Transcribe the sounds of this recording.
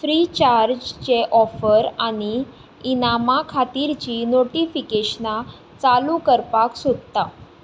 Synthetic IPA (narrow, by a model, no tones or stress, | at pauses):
fɾit͡ɕaɾd͡ʑt͡ɕeʔɔfəɾañi | inamakʰat̪iɾt͡ɕinoʈifikeɕna | t͡salukəɾpaksod̪̚t̪a